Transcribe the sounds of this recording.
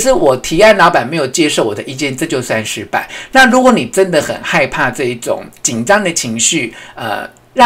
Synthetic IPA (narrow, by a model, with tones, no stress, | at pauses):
ʂɻ̩˥˩wɔ˨˩t̪ʰi˧˥a˥˩nlɑ˧˥ʊpa˨˩nme˧˥ɪjo˨˩ʊt͡ɕjɛ˥ʂo˥˩ʊwɔ̰˨˩d̪ə˦ʔi˥˧t͡ɕjɛ˥˧nʈ͡ʂɤ˥˧t͡ɕjo˥˧ʊswa˥˧˩nʂɻ̩˧˥pa̰˨˩˦na˥˩ɻu˧˥kwɔ˧˥ni˨˩ʈ͡ʂə˥nd̪ə˨xə̰˨˩nxa˥˧ɪpʰa˥˧ʈ͡ʂɤ˥˧i˥˩ʈ͡ʂʊ̰˨˩˦ŋt͡ɕi˨˩nʈ͡ʂɑ˥ŋd̪ə˨t͡ɕʰi˧˥ŋɕy˥˩ə̰˧˩ | ɻɑ˥˩